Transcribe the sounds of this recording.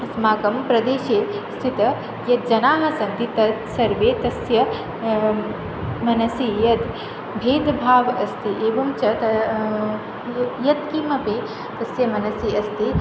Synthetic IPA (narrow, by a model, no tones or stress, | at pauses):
smaːkɐmpɾɐd̪eːʃeː | st̪ʰit̪ɐ | jɐt̪̚d͡ʒɐnaːɦɐsɐnt̪it̪ɐsɐɾʋeːt̪ɐsjɐ | mɐnɐsijɐt̪ | bʱeːd̪bʱaːʋɐst̪iʔeːʋɐmt͡ʃɐt̪ɐ | jɐt̪kimɐpi | t̪ɐsjɐmɐnɐsiɐst̪i